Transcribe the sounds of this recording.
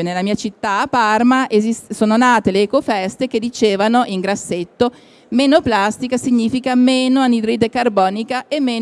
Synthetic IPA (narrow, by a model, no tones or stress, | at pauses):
nelamiːat͡ʃit̪ːaːpːarmaʔezissoːnonaːt̪eleːkofɛst̪eked̪it͡ʃeːvanoʔiŋɡɾasːet̪ːo | meːnoplast̪ikasiɲːiːfikameːnoanid̪ɾiːd̪ekarbɔːnikaemːeː